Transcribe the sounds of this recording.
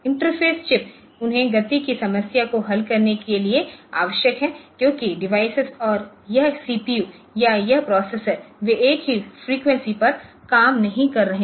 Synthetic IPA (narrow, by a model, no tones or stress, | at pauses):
ɪ̃ɳʈəɾfʰeːst͡ʃɪp | ʊnɦẽɡɐt̪ikisɐməsjakoɦɐlkɐɾnekeliea̰ːʋəʃjəkɦɛ̃ːkjõːkiɖɪʋaːɪsɪzɔːɾjɐɦsiːpijuː | jajɐɦpɾɔːseːsəɾʋeʔeːkɦifɾiːkʋɛ̃nsipɐɾkaːmnɐɦĩkɐɾːɐɦẽ